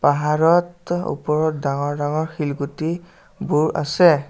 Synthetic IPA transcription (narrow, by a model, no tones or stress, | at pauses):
paɦaɹɔtṵpɔɹɔt̚daŋɔɹdaŋɔɹxilɡuti | buɹa̰sɛ